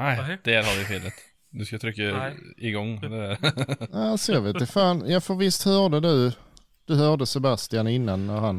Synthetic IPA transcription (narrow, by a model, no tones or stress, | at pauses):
æɪd̪̥ɛɾhaɾvɪfeːlət̪ | nʉskajɑt̪ʰɾʏkːaɪɡɔŋːd̪ɛ | asɔjɑveːt̪d̪ɛfaːnjɑːfəvɪst̪hœːɖəd̪ʉ | d̪̥ɵhœːɖəsɛbast̪ɪjanɪnːanːæɾhan